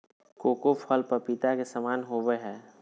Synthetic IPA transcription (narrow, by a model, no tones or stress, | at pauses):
koːkofʰɔlpɐɾpit̪akesəmaːnɦoʋeɦɛː